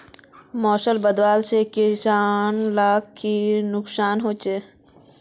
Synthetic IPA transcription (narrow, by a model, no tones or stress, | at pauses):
mɔːʃəlbəd̪waːlsekɪsaːnlaːkʰːinʊksaːnɦoːt͡ʃeː